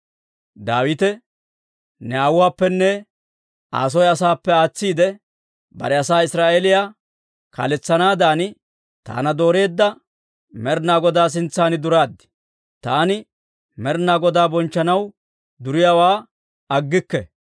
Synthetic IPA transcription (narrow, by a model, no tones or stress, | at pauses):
d̪aːwɪt̪ɛ | nɛaːwʊwaːpːɛnːɛ | a̰ːs̬ɔjɐsaːpːɛaːt͡sːiːd̪ɛ | bɐ̰ɾɛɐsaːɪsɾaːʔeːlɪja | kɐ̰lɛt͡sːɐnaːd̪aːnɪ | t̪a̰ːnɐd̪o̞ːɾe̞ːd̪ːɐ | mɛɾnaːɡɔd̪aːs̬ɪnt͡sːaːnɪd̪ʊɾaːd̪ːɪ̥ | t̪aːnɪ | mɛɾnaːɡɔd̪aːbɔnt͡ʃːɐnɐw | d̪ʊɾɪjawaː | ɐɡːɪkːɛ